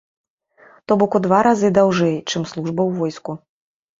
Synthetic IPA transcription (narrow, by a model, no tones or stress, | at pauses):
t̪ɔbɔkud̪vaɾazɨd̪awʐɛjt͡ʂɨmslˠuʐbɐwvɔjsku